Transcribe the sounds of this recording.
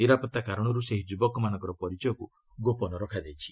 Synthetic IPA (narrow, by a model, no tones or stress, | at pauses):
niɾapɔt̪ːakaɾɔɽ̃ɔɾuseɦid͡ʒubɔkɔmanɔ̃ŋkɔɾɔpɔɾit͡ʃɔjɔku | ɡopɔnɔɾɔkʰad̪ejt͡ʃʰi̥